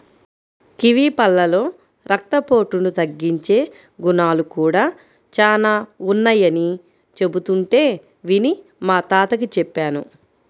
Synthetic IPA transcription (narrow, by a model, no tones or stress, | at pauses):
kiʋiːpɐlːɐlo̞ː | ɾɐk̚t̪ɐpo̞ːʈunut̪ɐɡːiɲt͡ʃe̞ː | ɡunaːlukuːɽaː | t͡ʃaːlaːunːɐjɐni | t͡ʃe̞but̪uɳʈe̞ː | ʋini | maːt̪aːt̪ɐkit͡ʃɛpːaːnṵ